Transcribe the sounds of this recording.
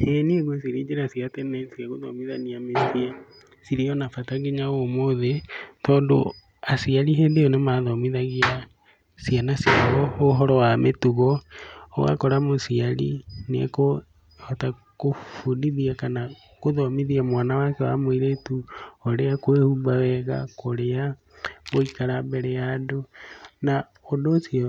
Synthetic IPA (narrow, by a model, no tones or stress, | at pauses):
henieɣwosiɾiːd͡ʒeɾasjatɛnɛsiaɣoðɔ̰miðaniametie | siɾiɔnafataɣeɲaomoðetɔːndo̰ | asiaɾiɦendejonemaðɔmiðaɣia | sjanasjaɣɔoɦɔɾɔwametuɣɔo̰ɣa̰koɾamosialḭnḛko | hata | kofuniðiakana | koðomiðiamwaːnawakewa̰mwiɾetuoɾeakwehumbawɛɣa̰koɾea | ɣoikaɾambɛɾɛjadona | odosio